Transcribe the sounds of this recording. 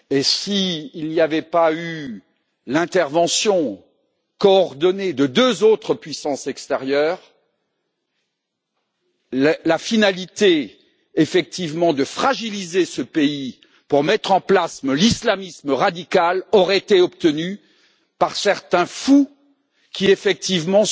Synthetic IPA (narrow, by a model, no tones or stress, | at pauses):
esiːlniavɛpay | lɛ̃t̪ɛʁvɑ̃sjɔ̃ | kɔːʁd̪ɔned̪əd̪øzot̪χəpɥisɑ̃sɛkst̪ɛʁjœːʁ | llafinalit̪e | efɛk̚t̪ivmɑ̃d̪əfχaʒilizesəpei | puʁmɛt̪χɑ̃plasməlislamisməʁad̪ikalɔʁɛet̪eɔp̚t̪əny | paʁsɛʁt̪ɛ̃fu | kʲiefɛk̚t̪ivmɑ̃